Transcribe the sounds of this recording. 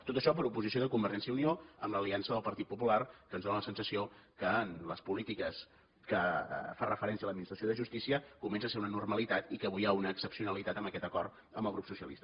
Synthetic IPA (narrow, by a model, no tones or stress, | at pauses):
t̪ot̪əʃɔp̬əɾupuzisioðəkumbəɾʒɛnsjəunioəmləliansəðəlˠpəɾt̪it̪pupularkənzðonələsənsəsiokəːnləspulit̪ikəs | kəfarʔəfəɾɛnsiələd̪minist̪ɾəsioðəʒust̪isiəkumɛnsəseɾunənurməlit̪at̪ikəβujaunəːksəpsiunəlit̪at̪əməkɛt̪əkɔrt̪ | əmbəlˠɣɾupsusiəlḭst̪ə